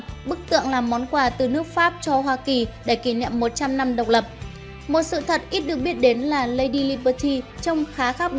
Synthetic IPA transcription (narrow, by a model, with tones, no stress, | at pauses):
ɓɨ˦˥k̚t̪ɨ̰˧˨əŋlaː˨˩mːɔ˨˦nkwaː˧˩t̪ɨ˨˩nɨ˦˥ək̚faː˦˥p̚t͡ɕɔ˧ɦwaː˧ki˨˩ɗe˧˩ki˧˩ɲḭ˧˨əmːo˨˩t̚t͡ɕa˧mna˧mɗə˨˩wk͡p̚lə˨˩p̚ | mo˨˩t̚sɨ̰˧˨t̪ʰə˨˩t̚ʔi˦˥t̚ɗɨ˨˩ək̚ɓi˦˥ət̚ɗe˨˦nlaː˨˩lə˧jɗi˧li˧ɓəː˧t̪ʰi˧t͡ɕə˧wŋ͡mxaː˨˦xaː˦˥p̚ɗ